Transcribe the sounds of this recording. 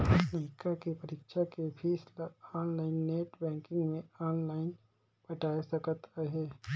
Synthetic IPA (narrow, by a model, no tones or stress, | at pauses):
niːkakepɐɾɪkʃakepʰiːslaɔːnlaːɪnːeːʈbɛ̃ːŋkɪ̃ŋɡmẽɔːnlaːɪn | bɐʈaːsɐkt̪ʰaɦɛː